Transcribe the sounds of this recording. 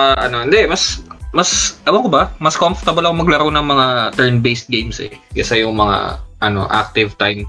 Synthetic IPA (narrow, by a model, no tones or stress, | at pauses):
ʔaʔɐno̞ɪnd̪ɛʔmɐsmɐsʔɐwɐkobɐmɐskomfɹt̪ɐbɐlɐkomɐɡlɐɾownɐŋmɐŋat̪ɛɹnbejst̪̚ɡejmsɛ̰kɛsɐjʊŋmɐŋa̰ʔɐno̞̰ʔa̰k̚t̪ɪvt̪ajm